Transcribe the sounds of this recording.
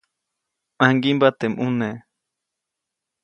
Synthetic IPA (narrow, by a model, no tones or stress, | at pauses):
aŋɡimbat̪emʔune